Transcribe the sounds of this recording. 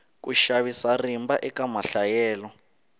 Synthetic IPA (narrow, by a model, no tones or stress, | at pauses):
k̬ʼuʃaβisarimbaʔɛkamaɬajɛːlɔ